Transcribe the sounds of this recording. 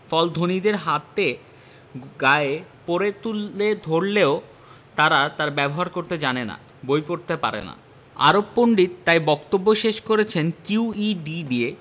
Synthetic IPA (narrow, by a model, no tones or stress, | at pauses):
fɔld̪ʱonid̪eɾɦat̪e | ɡaepoɾet̪ulːed̪ʱoɾleo | t̪aɾat̪aɾbɛboɦaɾkoɾt̪ed͡ʑanena̰ | bojpoɾt̪epa̰ɾḛna̰ | a̰ɾopːoɳɖit̪ːajbɔkt̪obːoʃeʃkoɾet͡ɕʰenkiuiɖiɖie